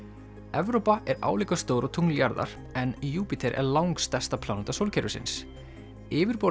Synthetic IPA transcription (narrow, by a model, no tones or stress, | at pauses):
ɛvɾowpaʔɛɾa̰ːwliːkast̪oːwɾʔɔt̪ʰuŋljaɾða̰ɾ̥ | ɛnjuːpit̪ʰɛɾʔɛ̰ɾlawŋkst̪ɛst̪apʰlaːnut̪asowlcʰɛɾʏsɪ̰ns | ɪːvɪɾpo